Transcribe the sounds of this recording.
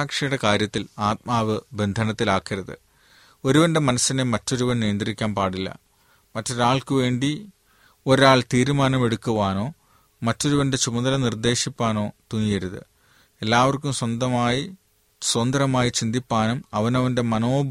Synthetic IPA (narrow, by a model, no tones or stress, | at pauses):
aːkʂɐjuɽe̞kaːɾjɐt̪ːilaːt̪̚maːʋɨbe̞nd̪ʱɐnɐt̪ːilaːkːiɾɐðɨ̰ | o̞ɾuʋɐnɖe̞mɐnɐsːinemɐtːo̞ɾuʋɐnnijɐnd̪rikʲːaːnpaːɽilːɐ̰ | mɐtːo̞ɾaːɭkɨʋe̞ːɳɖi | o̞ɾaːɭt̪iːɾumaːnɐmeɽukːuʋaːno̞ː | mɐtːo̞ɾuʋɐnde̞t͡ɕumɐðɐlɐnird̪e̞ːʂipːaːno̞ːt̪uŋːijɐɾuðɨ̰ | e̞lːaːʋɐrkːumswɐnd̪ɐmaːji | swɐnd̪ɐɾɐmaːjit͡ɕind̪ʱipːaːnumɐʋɐnɐʋɐnde̞mɐno̞ːb